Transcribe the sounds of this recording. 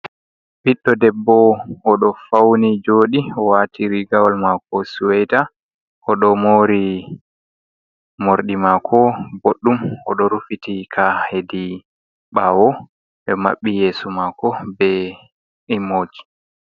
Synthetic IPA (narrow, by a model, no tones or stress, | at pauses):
biɗːɔdɛbːɔɔɗɔfawnid͡ʒoːɗiɔwaːtʰiɾiɡawalmakɔsuwɛjta | ʔɔɗɔmoːɾi | moɾɗimakʰɔboɗːumɔɗɔɾufitikʰahedi | ɓawɔ | ɓɛma̰ɓːijeːsumakɔbɛ | imoːd͡ʒi̥